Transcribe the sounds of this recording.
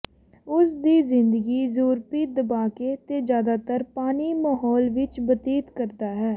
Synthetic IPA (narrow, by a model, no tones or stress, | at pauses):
ʊsd̪iːzɪ̃nd̪əɡiːzuːɾpiːd̪əbaːkeːt̪eːd͡ʒjaːd̪aːt̪əɾpaːniːmaːɦɔːlʋɪt͡ʃbət̪iːt̪kəɾd̪aːɦɛː